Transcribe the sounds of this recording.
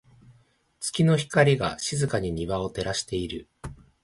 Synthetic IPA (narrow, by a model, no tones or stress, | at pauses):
t͡sɨ̥kʲino̞çi̥kaɾʲiɡaɕizɨkaɲ̟iɲ̟iβao̞t̪e̞ɾaɕi̥t̪e̞iɾɯ